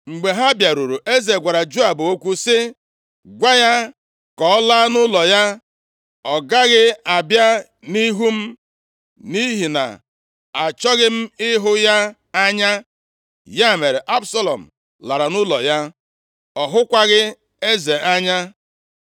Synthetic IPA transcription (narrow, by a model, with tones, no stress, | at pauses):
ŋ͡m̩˨ɡ͡be˨ɦa˦bja˨ɾu˨ɾu˨ʔe˦ze˨ɡʷa˨ɾa˨d͡ʒo˦a˨bo˦kʷu˦sɪ˦ | ɡʷa˦ja˦ | kɔ˨ɔ˦laː˦nʊ˦lɔ˨ja˦ | ɔ˨ɡa˦ɣɪ˦a˨bja˦ | ni˦ɦu˦m̩˦ | ni˦ɦi˨na̰˨ | a˨t͡ʃɔ˦ɣɪ˦m̩˦ɪ˦ɦʊ˦ja˦ | a˦ɲa˦ | ja˦˨me˨ɾe˨ʔa˦bsa˦lɔ̰˨m̩˨ | la˨ɾa˨nʊ˦lɔ̰˨ja˦ | ɔ˨ɦʊ˦kʷa˦ɣɪ˦ | e˦ze˨a˦ɲa˦